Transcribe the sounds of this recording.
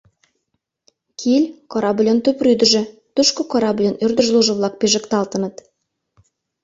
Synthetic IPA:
kʲʰilʲkoɾɑblʲont̪ɵpryd̪ɘ̆ʒɘ̆t̪ʊʃkokoɾɑblʲonyrd̪ɵ̆ʒlˠuʒə̆βlˠɑk̚pʲeʒɘ̆kt̪ɑlˠt̪ɤ̆nɤ̆t̪

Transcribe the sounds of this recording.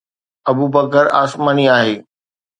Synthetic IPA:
ɐbuːbɐkəɾa̰ːsmaːniaːɦeː

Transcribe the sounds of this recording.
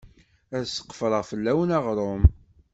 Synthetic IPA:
æðsə̥qːfəɾəʁfəlːæwənɑʁɾˤom

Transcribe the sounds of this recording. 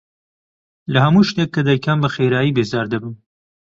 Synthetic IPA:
lɐhɐmuːʃt̪eːkːɐd̪aːjkʰaːmbɐxeːɾaːjiːbeːzaːɾd̪ɐbɨm

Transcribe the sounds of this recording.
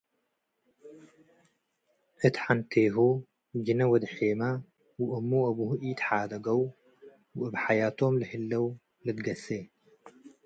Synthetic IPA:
ʔɨt̪ħant̪ʰeɦu | bd͡ʒɨnɐwɐd̪ħema | wuʔɨmːuɐβuhuʔit̪ħad̪ɐɡɐw | bʔɨbħajat̪ʰo̞mlɨhɨlːɐw | lɨd̪ɡɐse

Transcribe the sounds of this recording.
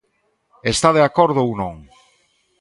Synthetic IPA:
est̪aðeakoɾðʊownõŋ

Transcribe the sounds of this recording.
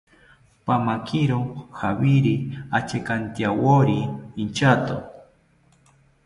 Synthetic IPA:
pamakʰiɾoxaβiɾiat͡ʃekant̪jawoɾiint͡ʃat̪o̰

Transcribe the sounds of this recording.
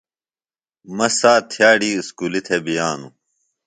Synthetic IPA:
mɐsaːt̪ʰjaːɖiːskuːlit̪ʰebijaːnu

